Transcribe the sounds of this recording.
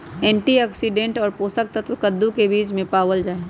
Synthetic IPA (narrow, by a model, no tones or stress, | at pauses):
ɛ̃ːɳʈiɛksiɖẽːɳʈɔːɾpoːsək̚t̪ət̪ʰʋkəd̪ːũkebiːd͡ʒmẽpaːʋəld͡ʒaːe